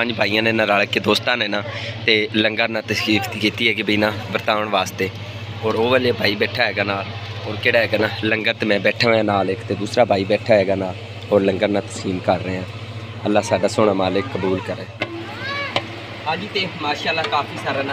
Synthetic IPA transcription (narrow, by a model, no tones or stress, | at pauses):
pəɲd͡ʒbʱaːiːãːnẽːnãːɾaːɭkːeːd̪oːst̪ãːnẽːnãːt̪eːləŋɡəɾnãːt̪əsiːk̪ːkiːt̪iːɦɛːkibiːnãːbəɾt̪aːʋəɳʋaːst̪eː | ɔːɾoːʋɛːljaːbʱaːiːbɛːʈʰaːɦɛːɡaːnaːl | ɔːɾkeːɽaːɦɛːɡaːnãːləŋɡəɾt̪emɛ̃ːbɛːʈʰaːɦoãːnaːlɪkt̪eːd̪uːsɾaːbʱaːiːbɛːʈʰaːɦɛːɡaːnãː | ɔːɾləŋɡəɾnãːt̪ə̥siːmkəɾːeeːãː | əlːaːsaːɖaːsʊɽ̃aːmaːlɪkːəbuːlkəɾẽː | ad͡ʒit̪eːmaːʃaːlːaːkaːfʰiːsaːɾaːna